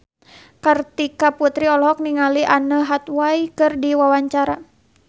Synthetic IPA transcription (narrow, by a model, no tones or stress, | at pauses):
kɨrt̪ikaput̪ɾiɔlɔɦɔk̚niŋaliʔanəɦat̪waikɨrdiwawaɲt͡ʃaɾa